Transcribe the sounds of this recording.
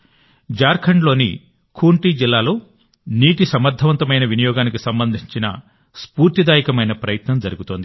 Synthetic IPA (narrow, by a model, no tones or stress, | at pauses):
d͡ʒaːɾkʰɐɳɖlo̞ːnḭ | kʰuːɳʈiːd͡ʒilːaːlo̞ː | niːʈisɐmɐɾd̪ʱːɐʋɐnt̪ɐmɐjnɐʋinijɔːɡaːnikisɐmbɐnd̪ʱiɲt͡ʃinɐ̰ | spuːɾt̪id̪aːjikɐmɐjnɐpɾɐjɐt̪nɐmd͡ʒɐɾuɡut̪oːnd̪i